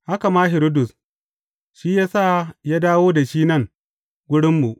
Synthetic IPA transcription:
ha˦ka˨maː˦ɦɪ˨ɾɪ˦dʊ˨s | ʃiː˦jaː˦sa˦˨jaː˦daː˦woː˦da˨ʃiː˦nɐ˦˨ŋ | ɡʷʊ˦ɽɪ˦mːu˨ʔ

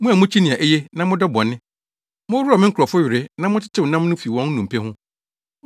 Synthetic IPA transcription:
mʊ̃˦a˨mʊ̃˦t͡ɕʰi˦nĩ˨ã˨ʔɛ˦je˦nã˦mʊ̃˦dɔ˦bɔ̃˨nɪ̃˦ | mʊ̃˦ɾu˦ɾa˨mɪ̃˦ŋ˦kʰʊ˨ɔ˨fʊ˦ɥɪ˨ɾɪ˦nã˦mʊ̃˦tʰɪ˦tʰɪ˦wʊ˨nã˦mnʊ̃˦fi˨wɔ̃˦n˦nũ˨m˨pʰɛ˦hʊ̃˦

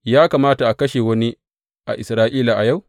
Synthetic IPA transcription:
jaː˦kaː˨maː˦ta˨ʔa˨kɐ˦ʃeː˨wɐ˦ni˦ | ʔa̰˨ʔɪ˨sɾaː˦ʔiː˦la˨ʔa˨ja˦˨w

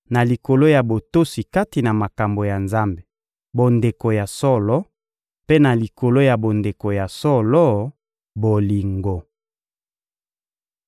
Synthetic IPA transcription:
na˨li˨ko˨lo˦ja˨bo˨to˦si˨ka˦ti˨na˨ma˨ka˨mbo˨ja˨nza˦mbe˨ | bo˨nde˨ko˨ja˨sɔ˦lɔ˦ | pe˦na˨li˨ko˨lo˦ja˨bo˨nde˨ko˨ja˨sɔ˦lɔ˦ | bo˨li˨ŋɡo˨

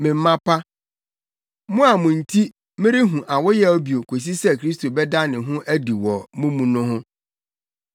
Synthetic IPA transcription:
mɪ̃˨m̩˦mã˦pʰa˦ | mʊ̃˦a˨mʊ̃˨n̩˨tʰi˦ | mɪ̃˦ɾɪ˦ɦũ˨ʔa˨wʊ˦jɛ˦ɔ˦bi˨o˨kʰo˨s̬i˦sɛ˦kʰɾi˦sto˨bɛ˦da˦nɪ̃˨ɦʊ̃˦ʔæ˦di˨wɔ˨mʊ̃˦mũ˨nʊ̃˦ɦʊ̃˦

